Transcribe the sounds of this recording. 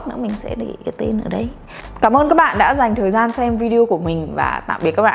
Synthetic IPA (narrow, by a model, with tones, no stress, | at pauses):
k̚nɨ̰˧˥mï˨˩ŋ̟sɛ̰˧˥ɗə˨˩ḭ˧˨˩kə˨˦t̪e˧nʔəː˧˩ɗə˧j | kaː˧˩mʔəː˧nkaː˦˥k̚ɓa̰ː˧˨nɗa̰ː˧˥za˨˩jŋ̟t̪ʰəː˨˩jzaː˧nsɛ˧mvi˧ɗi˧o˧ku˧˩əmï˨˩ŋ̟va̰ː˨˩t̪a̰ː˧˨mɓi˨˩t̚kaː˦˥ɓaː˧˨